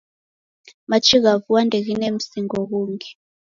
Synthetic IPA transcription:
mat͡ʃʰik̬avuwandʱek̬inem̩siŋok̬uːŋɡɛ

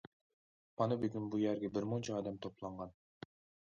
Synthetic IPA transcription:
mɑnɨbeɡʲynbujæɾɡʲɛbɪɾmont͡ʃʰɑɑːd̪ɛmt̪ʰoplˠɑɴʁɑn

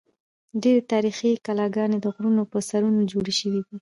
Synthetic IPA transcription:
ɖeɾet̪ɑɾixikalɑɡɑned̪əɣɾunopəsaɾunod͡ʒoɽeʃəwid̪i

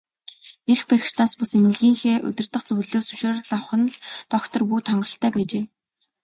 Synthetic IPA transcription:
erxpeɾʲɪ̆ʃt̪ʰaːspʊsemɪ̆ɮɣiːŋxeːʔɵ̰t̪ʲɪ̆r̥t̪ə̆χt͡sɵwɮoːsɵʃoːɾ̆ɮaχə̆n̆ɮt̪ɔkt̪ɞ̆rpuːt̪ʰaɴɢə̆ɬt̪æːpæːt͡ɕeː

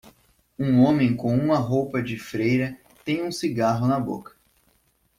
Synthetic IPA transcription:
ũõmẽj̃kõũmɐɦowpɐd͡ʒɪfɾejɾɐ | t̪ẽj̃ũsiɡaɦʊnɐbo̰kɐ̥

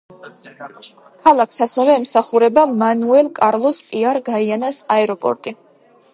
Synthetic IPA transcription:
kʰalˠakʰsasɛvɛːmsaχuɾɛbamanuɛlˠkʼaɾlˠɔspʼiaɾɡaianasaɛɾɔpʼɔ̰ɾt̪ʼi

